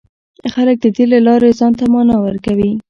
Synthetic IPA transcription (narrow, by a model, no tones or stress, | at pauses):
xalək̚d̪əd̪elelɑɾezɑnt̪amɑnɑwəɾkawi